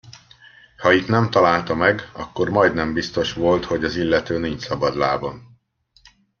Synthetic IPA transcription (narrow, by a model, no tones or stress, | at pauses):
hɒit̪nɛmt̪ɒlaːlt̪ɒmɛɡɒ̰kːo̞rmɒjd̪nɛmbist̪o̞ʃʋo̞lt̪ho̞ɟɒzilːɛt̪øːniɲt͡ʃsɒbɒd̪la̰ːbon